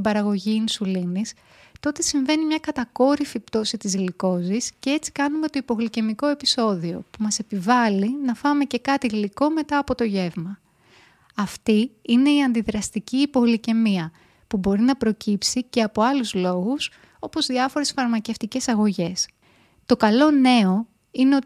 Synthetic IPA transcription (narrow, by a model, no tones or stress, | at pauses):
bɐɾɐɣo̞ʝiːnsulinis | t̪o̞t̪e̞siɱve̞nimɲɐkɐt̪ɐko̞ɾifipt̪o̞sit̪izliko̞ziscee̞t͡si̥kɐnume̞t̪o̞ipo̞ɣlice̞miko̞e̞piso̞ðio̞̰pumɐse̞pivɐlinɐfɐme̞ce̞kɐt̪iliko̞me̞t̪ɐːpo̞t̪o̞ʝe̞vmɐ | ɐft̪iine̞iɐnd̪iðɾɐst̪iciːpo̞ɣlice̞miɐ | pubo̞ɾinɐpɾo̞cipsice̞ɐpo̞ɐluzlo̞ɣus | o̞po̞zðiɐfo̞ɾe̞sfɐɾmɐceft̪ice̞sɐɣo̞ʝe̞s | t̪o̞kɐlo̞ne̞o̞ | ine̞o